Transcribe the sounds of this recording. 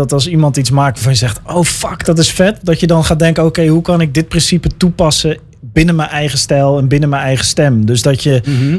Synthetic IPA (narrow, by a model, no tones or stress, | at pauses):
ɔtɑlˠsimɑntitsmaːktʋavɑnjəzɛxtowfɑkd̥ɔt̬ɪsfɛtdɔtjədɔnχaːdɛŋkəokejɦukɑnɪɡ̚dɪt̚prɪnsipətupɑsə | bɪnəmɛnʔɛjχəstɛlˠɛnbɪnəmɛnɛjχəstɛmdøzdɔtjə